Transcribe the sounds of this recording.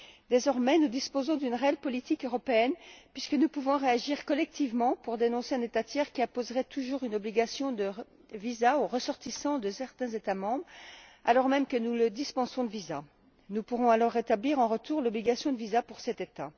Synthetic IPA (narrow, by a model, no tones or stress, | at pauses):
d̪ezɔʁmɛnud̪ispozɔ̃d̪ynʁeɛlpɔlit̪ikøʁɔpeɛnpɥiskənupuvɔ̃ʁeaʒiʁkɔlɛk̚t̪ʰivmɑ̃puʁd̪enɔ̃seɛ̃net̪at̪jɛʁkʲiɛ̃pozʁɛt̪uʒuʁynɔbliɡasjɔ̃d̪ə | vizaoʁəsɔʁt̪isɑ̃d̪əsɛʁt̪ɛ̃zet̪amɑ̃bʁalɔʁmɛmkənuləd̪ispɑ̃sɔ̃d̪əviza | nupuʁɔ̃alɔʁːet̪abliʁɑ̃ʁət̪uʁlɔbliɡasjɔ̃d̪əvizapuʁsɛt̪et̪a